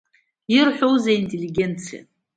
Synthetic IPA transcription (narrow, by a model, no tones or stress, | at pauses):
irħʷᶣowzaintʼeliɡʲent͡sʰija̰